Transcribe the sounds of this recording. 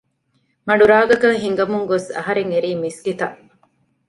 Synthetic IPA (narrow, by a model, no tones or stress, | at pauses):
mɐɖuɾaːɡɐkɐŋɦiŋɡɐmuŋɡosɐ̰ɦɐɾeŋeɾiːmisɡit̪ɐʔ